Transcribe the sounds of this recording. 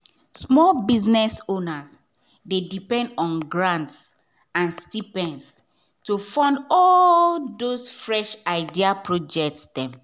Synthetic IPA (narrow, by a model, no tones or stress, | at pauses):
smɔlbiznɛsonas | dedipɛ̃ndɔ̃nɡɹãnts | ãnstipɛ̃ns | tufɔ̃ndɔlldosfɹɛʃaɪdiapʰɹɔd͡ʒɛk̚tsdɛ̃m